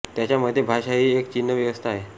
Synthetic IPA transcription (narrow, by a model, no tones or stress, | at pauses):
t̪jat͡ɕjaməd̪ʱjebʱaɕaɦiːekt͡ɕinːəʋjəʋəst̪ʰaːɦe